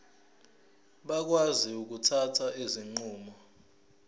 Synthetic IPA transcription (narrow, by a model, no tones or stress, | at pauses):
ɓak̬waziuk̬utʰatʰaʔeziŋ͡ǃuːmɔ